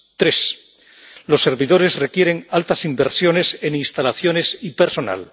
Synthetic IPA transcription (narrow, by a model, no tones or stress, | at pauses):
t̪ɾe̞s | lo̞sːe̞ɾβiðo̞ɾe̞zre̞kje̞ɾe̞ŋalt̪asimbe̞ɾsjo̞ne̞se̞ninst̪alaθjo̞nesipe̞ɾso̞na̰l